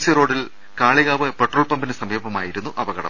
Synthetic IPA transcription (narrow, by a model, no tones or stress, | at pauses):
siro̞ːɽil | kaːɭiɣaːʋɨpeʈroːɭpɐmbinɨsɐmiːbʱɐmaːjiɾunːuʔɐʋɐɣɐɽɐ̰m